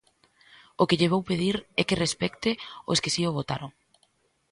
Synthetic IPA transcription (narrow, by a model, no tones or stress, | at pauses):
okɪʎɪβ̞owpeðiɾɛkɪrespɛkt̪ɪo̰skɪsioβ̞ot̪a̰ɾoŋ